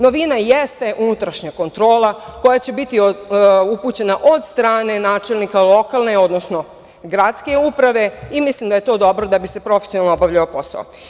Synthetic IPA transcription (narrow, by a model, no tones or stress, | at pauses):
no̞ʋinajest̪e̞ʔunut̪ɾaʃɲako̞nt̪ɾo̞ːlako̞jat͡ɕe̞bit̪iouput͡ɕe̞naʔod̪st̪ɾaːne̞naːt͡ʃe̞lnikalˠo̞kalne̞o̞d̪nosno̞ | ɡɾat̪ske̞upɾaʋe̞imislimd̪aje̞t̪o̞ːd̪o̞bɾod̪abise̞pɾo̞fe̞sionalnoobaʋʎaopo̞sa̰o̰